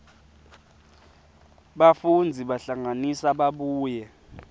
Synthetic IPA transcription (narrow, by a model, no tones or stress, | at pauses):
ɓafund͡zʱiɓaɬaŋanisaɓaɓuːjɛ